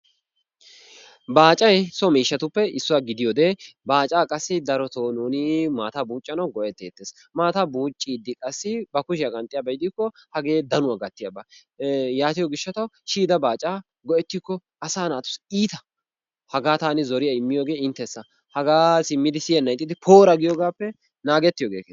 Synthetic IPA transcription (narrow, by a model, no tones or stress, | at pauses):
baːt͡ʃʼɐjsɔmiːʃːɐt̪ʊpːɛɪsːʊwaːɡɪd̪ɪjɔd̪eːbaːt͡ʃʼaːkʼɐsːɪd̪ɐɾɔt̪oːnuːnɪmaːt̪abuːt͡ʃʼːɐnɐwɡɔʔɛt̪ːeːt̪ːeːs | maːt̪abuːt͡ʃʼːiːd̪ːɪkʼɐsːɪbɐkʊʃɪjɐkʼɐnt̪ʼɪjaːbɛjd̪ɪkːɔhɐɡe̞ːd̪ɐnʊwaɡɐt̪ːɪjɐbɐ | jaːt̪ɪjɔɡɪʃːɐt̪ɐwʃiːd̪ɐbaːt͡ʃʼaː | ɡɔʔɛt̪ːɪkːɔ | ɐsaːnaːt̪ʊ̥siːt̪ɐ | hɐɡaːt̪aːnɪzɔɾɪjɐɪmːɪjoːɡe̞ːɪnt̪ːɛsːɐ | hɐɡaːsɪmːɪd̪ɪsɪjɐnɐjt̪ʼːɪd̪ɪpʰoːɾɐɡɪjoːɡaːpːɛ | naːɡɛt̪ːɪjoːɡeːke